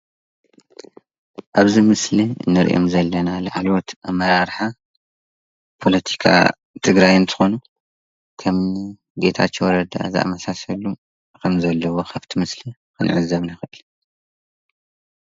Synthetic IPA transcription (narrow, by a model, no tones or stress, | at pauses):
ʔaβzimɨsliɨ̰nːɨɾʔo̰mzɐlːɐnalaħalot̪amɐɾaɾħa | pʰo̞lɐt̪ʰi̥kʰa̰ | t̪ʰɨɡɾajɨnt̪ʰɨ̥xo̞nu | kʰɐm | ɡe̞t̪ʰa̰t͡ʃːewɾɐd̪a̰zɨ̰ʔa̰mɐsasɐlu | kʰɐmzɐlːɐwo̞xʰaft̪ʰimɨsli | kʰɨnʕɨzːɐβnaxɨʔɨl